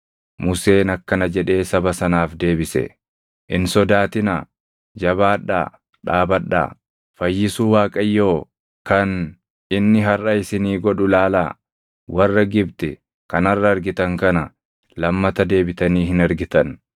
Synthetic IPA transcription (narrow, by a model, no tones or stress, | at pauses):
mʊse̞ːnɐkːɐnɐd͡ʒɛᶑe̞ːsɐbɐsɐnaːfd̪e̞ːbɪsɛ̰ | ʔɪnsɔd̪aːt̪ɪna̰ː | d͡ʒɐβaːᶑa̰ː | ᶑaːbɐᶑːa̰ː | fɐjːɪsuːwaːkʼɐjːo̞ː | kɐn | ɪnːɪɦɐrʔɐɪsɪniːɡɔᶑʊlaːla̰ː | wʔɐrːɐɡɪbt̪ɛ | kɐnɐrːɐːɾɡɪt̪ɐŋkɐnɐ | lɐmːɐt̪ɐd̪e̞ːbɪt̪ɐniːhɪnɐɾɡɪt̪ɐn